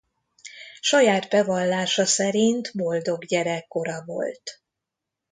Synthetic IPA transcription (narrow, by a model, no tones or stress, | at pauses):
ʃɒjaːt̪bɛvɒlːaːʃɒsɛɾint̪bo̞ld̪o̞ɡɟɛɾɛkːo̞ɾɒvo̞̰lt̪